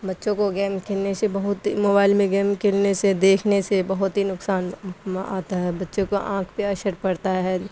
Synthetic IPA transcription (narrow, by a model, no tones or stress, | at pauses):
bɐtːʃõkoɡɛːmkʰelnesebɐɦʊt̪imoːbaːɪlmẽɡɛːmkɪlnesed̪eːkʰnesebɐɦʊt̪ɦinʊksaːna̰ːt̪aɦɛbɐtːʃõkoʔã̰ːkʰpeɐʃəɾpɐɽt̪aɦɛː